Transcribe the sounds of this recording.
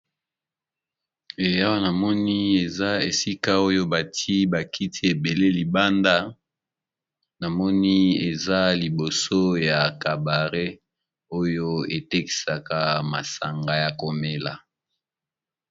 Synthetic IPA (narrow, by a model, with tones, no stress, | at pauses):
e˨ja˦wa˦na˨mɔ˦ni˦e˨za˦e˨si˦ka˦o˦jo˦ba˨tʰi˦ba˨ki˦tʰi˦e˨be˨le˦li˨ba˦nda˦ | na˨mɔ˦ni˦e˨za˦li˨bo˨so˦ja˨ka˨ba˨ʁe˦ | o˦jo˦e˨te˦ki̥˨sa˨ka˦ma̰˨sa˨ŋɡa˨ja˨ko˨me˦la˨